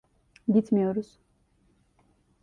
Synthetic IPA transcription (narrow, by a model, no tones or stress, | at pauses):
d̪it̪ʰmiɔɾus